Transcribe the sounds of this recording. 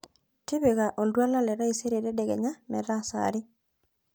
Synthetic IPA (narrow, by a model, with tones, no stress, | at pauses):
tɪ˦bɪ˨ɡa˨ʔo˨ldwa˦la˦lɛ˨ɾa˦i˨se˦ɾe˨ɾɛ˦dɛ˨ɡɛ̰˨ɲa˦mɛ̰˨ɾa˦sa̰ɾɪ˦